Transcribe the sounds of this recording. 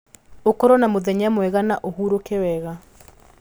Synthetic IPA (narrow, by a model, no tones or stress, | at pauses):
okɔɾɔnamoðɛɲamwɛɣanaʔohuːɾokewɛɣa